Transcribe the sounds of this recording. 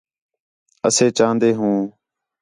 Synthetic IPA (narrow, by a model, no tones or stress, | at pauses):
əseːt͡ʃãːnd̪eːɦũː